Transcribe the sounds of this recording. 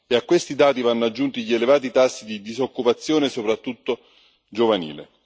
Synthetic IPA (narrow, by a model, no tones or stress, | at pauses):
eakːwest̪id̪aːt̪ivanːoad͡ʒːunt̪iʎielevaːt̪̬it̪asːid̪id̪izokːupat̪sːjoːnesopɾat̪ːut̪ːo | d͡ʒovanḭːlḛ